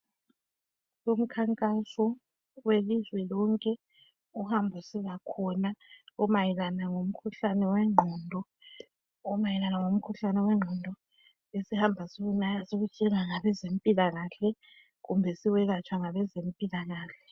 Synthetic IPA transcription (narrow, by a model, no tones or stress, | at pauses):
som̩kʰaŋkʼasɔ | welizwɛlɔŋkʼɛ | uhambʱusiβakʰɔnaumajilanaŋom̩kʰuɬanɛwɛŋ͡ǃʱɔndʱɔ | ɔmajilanaŋom̩kʰuɬanɛwɛŋ͡ǃʱɔndʱɔ | esihambʱasoɣunajasoɣut͡ʃʼɛlaŋaβɛzempʼilaɣaːɬɛ | ɣumbʱɛsiwɛɣat͡ʃʰʼwaŋaβɛzempʼilaɣaːɬɛ